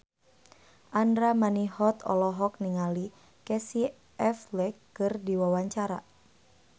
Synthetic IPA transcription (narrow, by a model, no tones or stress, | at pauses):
ʔandɾamanihɔt̪ɔ̰lɔɦɔk̚niŋali | kɛsi | ʔɛflɛkːɨrdiwawaɲt͡ʃaɾa̰